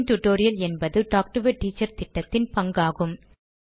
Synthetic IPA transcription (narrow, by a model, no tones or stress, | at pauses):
nʈʊʈːoːɾɪjɐlɛnbɐðɯɖaːk̚ʈɐʋɐʈːiːt͡ʃːɐɾt̪ɪʈːɐt̪ːɪnpɐŋɡaːɣɯm